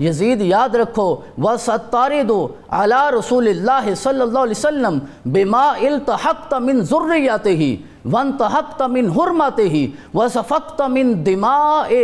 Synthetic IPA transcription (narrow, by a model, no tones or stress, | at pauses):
jɐziːd̪jaːd̪ɾɐkʰːo | ʋɐsɐt̪ːɑːɾɪd̪ʊ | ʕa̰laːɾɐsuːlɪlːaːɦɪsɐlːɐlˤːaːɦlisɐlːɐm | bɪmaːʔɪlt̪ɐhɐqt̪amɪnzʊrːɪjːat̪ɪɦɪ̰ | ʋɐɪnt̪ɐɦɐqt̪amɪnɦʊɾmɐt̪ɪɦɪʋɐsɐfɐqt̪mɪnd̪ɪmaːʔɪ